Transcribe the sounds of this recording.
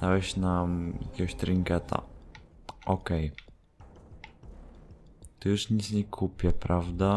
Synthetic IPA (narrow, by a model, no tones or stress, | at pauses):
d̪awɛɕnamjakʲɛɡɔɕt̪ɾʲiŋkɛt̪ʰa̰ | ʔɔkɛj | t̪ɔjuʂɲit̪sɲɛkʰupʲjɛpɾavd̪a